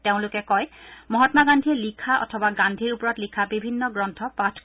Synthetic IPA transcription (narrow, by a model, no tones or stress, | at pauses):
teʊ̃lʊkɛkɔjmɔɦɔtmaɡandʱilikʰaʔɔ̰tʰɔbaɡandʱiɹupɔɹɔtlikʰabibʱinːɔɡɹɔntʰɔpatʰ